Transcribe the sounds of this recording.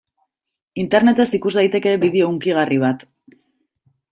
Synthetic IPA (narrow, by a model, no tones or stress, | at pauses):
int̪e̞ɾne̞t̪e̞sikuzd̪ajt̪e̞ke̞biðeouŋkiɣ̞ariβ̞at̪